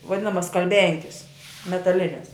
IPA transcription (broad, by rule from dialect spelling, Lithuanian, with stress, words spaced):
ʋɐˈdʲɪnɐmɐs skɐlʲˈbʲɛŋʲkʲɪs mʲɛtɐˈlʲɪnʲɛs